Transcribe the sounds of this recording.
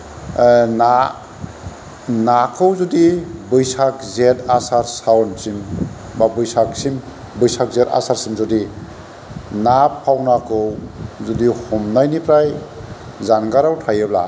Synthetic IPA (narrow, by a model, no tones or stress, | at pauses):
na | nakʰɯwzudibɯjsak̚zetasaɾsawɔnt͡ʃim | babɯjsak̚sim | bɯjsak̚zeta̰saɾsimzɔdi | napʰːawnakʰɯwzudihɔmnajnipɾaj | zanɡaɾawtʰajɯbla̰